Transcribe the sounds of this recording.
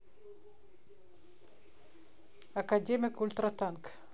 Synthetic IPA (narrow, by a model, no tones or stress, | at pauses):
akad̪emʲikult̪uɾat̪aŋk